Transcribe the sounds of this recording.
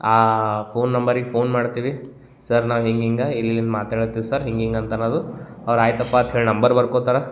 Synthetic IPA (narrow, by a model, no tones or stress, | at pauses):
aːpʰoːnːɐmbɐɾiɡepʰoːnmaːɽt̪iːʋi | sɐɾnaːʋɦiŋɡiŋɡɐilːilːind̪maːt̪ɦeːɭt̪ːiːʋisɐɾɦiŋɡiŋɡɐnt̪ɐnoːd̪u | ɐʋɐɾaːjt̪ɐpːat̪ɦeːɭnɐmbɐɾbɐɾkoːt̪aːɾɐ